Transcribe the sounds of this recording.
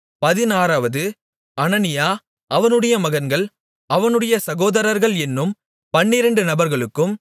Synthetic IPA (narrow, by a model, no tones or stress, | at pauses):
pɐðɪnaːɾaːʋɐðɯ | ɐnɐnɪjaː | ʔɐʋɐnɯɽɐjɐmɐɣɐnɡɐɭ | ɐʋɐnɯɽɐjɐsɐɣoːðɐɾɐɾɣɐɭɛnːɯm | pɐɳːɪɾɐɳɖɯnɐbɐɾɣɐɭɯkːɯm